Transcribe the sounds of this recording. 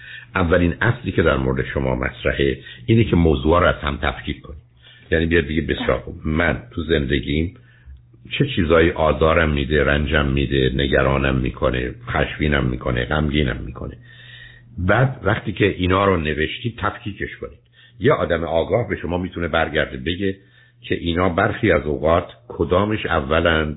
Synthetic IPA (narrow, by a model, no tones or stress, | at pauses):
ʔævːælinʔæsliːcʰe̞d̪æɾmoɾed̪eʃomɒ̰ːmʔæ̰sɾæheʔiːnecʰemoːzuːɒːɾoæz̥hæmt̪ʰæ̰fcʰiːkkʰonid̪̥ | jæniːbijɒd̪̚beɟebe̞sijɒ̰ːɾxub̥mænt̪ʰuze̞nd̪e̞ɟiːm | t͡ʃʰe̞t͡ʃʰiːzɒːjiːʔɒːzɒːɾæmːiːd̪eɾænd͡ʒæmːiːd̪ene̞ɡæɾɒːnæmːiːkʰonḛxæ̰ʃviːnæmːḭːkʰo̞nḛɢæmɟiːnæ̰mːḭːkʰo̞ne | bæːd̪væχt̪iːcʰeʔiːnɒːɾone̞ve̞ʃt̪iːd̪̚t̪ʰæfcʰiːcʰe̞ʃkoniːd̪̥ | jeʔɒːd̪æmeʔɒːɡɒːhbeʃomɒːmiːt̪ʰunebæɾɟæɾd̪ebe̞ɟe | cʰe̞ʔiːnɒːbæɾxiːæzoɣɒːt̪ʰkʰod̪ɒːmeʃæ̰vːælæn